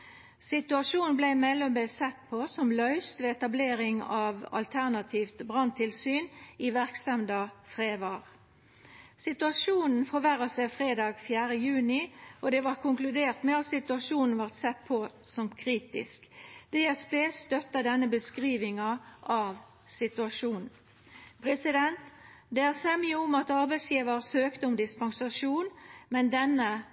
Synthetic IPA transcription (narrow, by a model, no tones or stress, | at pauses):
sɪt̪ʉɑʂuːnblæɪmɛlːɔmbesɛt̪̚pʰɔsɔmlœʏst̪ʋeːɛt̪ɑbleːɾɪŋɑʋɑ̰lt̪ʰæʁnɑt̪ʰiːft̪bʁɑnt̪ʰɪlsyːniʋæʁksɛmd̪ɑfʁeːʋɑːʁ | sɪt̪ʉɑʃuːnn̩fɔʋæʁɑsæɪfʁeːd̪ɑːɡfjæːʁəjʉːnɪɔd̪ɛʋɑːʁkʰʊŋklʉd̪eːʁt̪mɛɑt̪sɪt̪ʉɑʂuːnn̩ʋɑʁt̪sɛt̪̚ːpʰɔsɔmkʰʁiːt̪ɪ̰skd̪̥ɛæspeːst̪œt̪ːɑd̪ɛnːəbəskʁiːʋɪŋɑʔɑʋ | sɪt̪ʉɑʂuːnn̩ | pʰʁɛsɪd̪ɛnt̪d̪ɛæːʁsɛmɪʊmɑt̪ɑʁbæɪsjiːʋəʁsøːkt̪əʊmd̪ɪspɑŋsɑʂuːnmɛnd̪ɛnːə